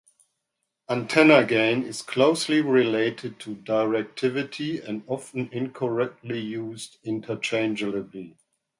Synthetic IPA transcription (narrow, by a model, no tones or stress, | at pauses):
ãntʰɛnəɡẽɪ̃nɪz̥kʰl̥oʊsliɹileɪtʰɨd̚tʰudaɪɹɛk̚tʰɪvɪtʰiɨ̃ndɑfə̃n̩ɪ̃nkʰəɹɛk̚tʰlijuːzdɪ̃ntʰə˞t͡ʃʰẽɪ̃nd͡ʒəlɪbli